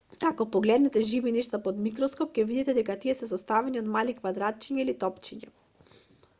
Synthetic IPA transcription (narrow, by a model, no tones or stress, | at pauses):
akɔpɔɡlɛd̪nɛt̪ɛʒivinɛʃt̪apɔd̪mikɾɔskɔpcɛvid̪it̪ɛd̪ɛkat̪iɛsɛzɔst̪avɛniod̪malikvad̪ɾat̪̚t͡ʃiɲailit̪ɔpt͡ʃiɲa